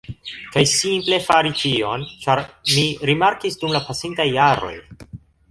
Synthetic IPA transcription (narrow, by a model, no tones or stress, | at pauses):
kajsimple̞faɾit͡ʃio̞nt͡ʃaɾmiɾimaɾkisdumlapasintajːaɾo̞̰j